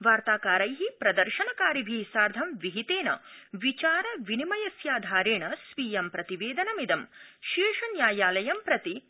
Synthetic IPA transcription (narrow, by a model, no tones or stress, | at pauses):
ʋaːɾt̪aːkaːɾɐjɦipɾɐd̪ɐɾʃɐnɐkaːɾibʱisaːɾd̪ʱɐmʋiɦit̪eːnɐ̰ʋit͡ʃaːɾɐʋinimɐjɐsjaːd̪ʱaːɾeːɳɐsʋiːjɐmpɾɐt̪iʋeːd̪ɐnɐmid̪ɐmʃiːʂɐnjaːjaːlɐjɐmpɾɐt̪i